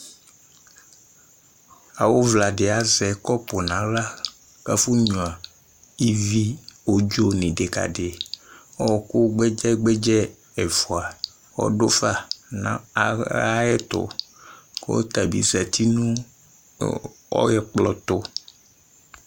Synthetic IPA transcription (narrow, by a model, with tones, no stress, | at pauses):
a˨wo˦vla˨ɖe˨a˨zɛ˨kɔ˦po˨nã˨˦la˦ | ka˦fu˦ɲũ˨a˨ | i˦vi˦wo˦d͡ʒo˦nĩ˨ɖe˨ka̰˨ɖe˨wɔ˦ɔ˨ko˦ɡ͡be˦d͡ʒɛ˦ɡ͡be˦d͡ʒɛ˦ | e˨fɔ˨a˨ | wɔ̰˦ɖo˦fa˦nã̰˦˨a˦ɛ˦t̪ʊ̰˦ | kḛ˦o̰˦t̪a˨bḭ˦zɛ˨t̪i˦nũ˦ | ɔ̰˦jɛ˨k͡plɔ˨t̪o˦